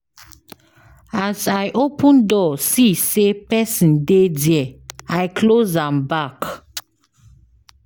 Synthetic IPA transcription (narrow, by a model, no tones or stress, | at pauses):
azajʔopə̃ndɔsisepɛsĩndedjɛajkʰlozãmbak